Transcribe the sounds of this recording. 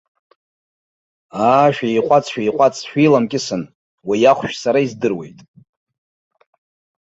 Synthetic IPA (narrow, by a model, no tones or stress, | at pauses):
aːʃᶣejqʷʼat͡sʰʼʃᶣaiqʷʼat͡sʰʼʃᶣilamkʲʼɪsɨn | wajaχʷʃᶣsaɾaizdɨrwe̞̰jtʼ